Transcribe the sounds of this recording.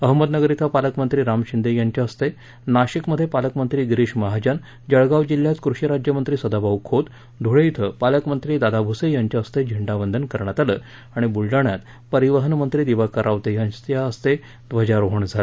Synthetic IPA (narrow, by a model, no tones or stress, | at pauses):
əɦməd̪nəɡəɾit̪ʰapaləkmənt̪ɾiːɾamɕind̪ejaɲt͡ɕaəst̪e | naɕikməd̪ʱːjepaləkmənt̪ɾiːɡɾiɕməɦad͡ʑən | d͡ʑəɭɡaʋd͡ʑilːjat͡skɾuɕjəɾad͡ʑjəmənt̪ɾiːsəd̪abawkʰot̪ | d̪ʱuɽeit̪ʰəpaləkmənt̪ɾiːd̪ad̪abʱusejaɲt͡ɕaəst̪ed͡ʑʱiɳɖaʋənd̪ʱənkəɾɳjat̪alə | aɽ̃ibulɖaɳjat̪ | pəɾiʋəɦənmənt̪ɾiːd̪iʋakəɾʔaʋt̪ejat̪jaəst̪e | d̪ʋəd͡ʑaɾoɦəɳd͡zʱalə